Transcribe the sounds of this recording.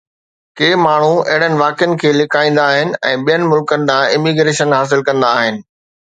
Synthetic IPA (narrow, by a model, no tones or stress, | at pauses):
keːmaːɳ̤uɐ̰ɦɪɽ̤ənɪ̆ʋaːkɪjənɪ̆kʰeːlɪkʰaːĩːnd̪aːɦɪnɪ̆ɛ̃ːɓijənɪ̆mʊlkənɪ̆d̪ãɪmiɡɾeːʃənɦaːs̬ɪlkɐ̃nd̪aːɦɪnɪ̆